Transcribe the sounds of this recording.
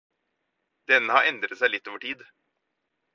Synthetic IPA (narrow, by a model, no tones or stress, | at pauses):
d̪̥ɛnːəhɑɾɛnd̪ɾət̪sæɪlɪt̪ːoːʋəʈʰiːd̪